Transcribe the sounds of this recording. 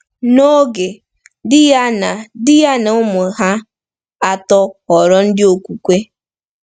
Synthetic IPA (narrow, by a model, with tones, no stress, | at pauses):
no˦ɡe˨ | dɪ˦ja˦na˨dɪ˦ja˦na˨ʊ˦mʊ˨ɦa˦ | a˨tɔ˦ɔ˨ɾɔ˦n̩˦dɪ˦o˨kʷu˨kʷe˦